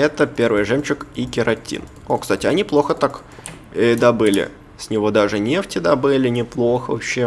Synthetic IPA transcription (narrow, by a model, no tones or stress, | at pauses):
ɛt̪əpʲe̞rvɨjʐɛmt͡ɕɪkikʲɪɾɐtʲḭn | okst̪atʲɪɐnʲiplˠo̞xət̪ak | ɪd̪ɐbɨlʲɪ̰ | sʲnʲɪvo̞d̪aʐɨnʲeftʲɪd̪ɐbɨlʲɪnʲɪplˠo̞xəɐ̰ɕːe